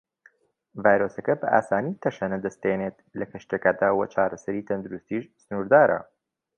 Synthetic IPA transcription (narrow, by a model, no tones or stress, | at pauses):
vaːjɾoːsɐkɐbɐʔa̰ːsaːniːt̪ʰɐʃɐnɐd̪ɐst̪̚enet̪lɐkʰɐʃt̪ekaːd̪aːwɐt͡ʃʰaːɾɐsɐɾiːt̪ʰɐnd̪uɾust̪iːʃsɨnuːɾd̪aːɾʔɐ̰